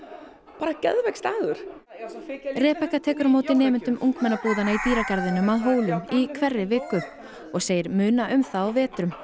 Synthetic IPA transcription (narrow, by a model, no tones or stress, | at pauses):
paːɾacɛ̰ðvɛkst̪aːðʏɾ̥ | rɛːpɛhkːat̪ʰɛːkʏɾmoːwt̪ɪnɛːmʏnt̪ʏmʔuŋkmɛnːapuːðanaip̪iːɾacaɾðɪnːʏmaðɦoːwlʏmikʰvɛrːɪvɪːkːʏ | ɔɣseːjɪɾmʏːnaʔʏmθawawvɛːt̪ɾʏm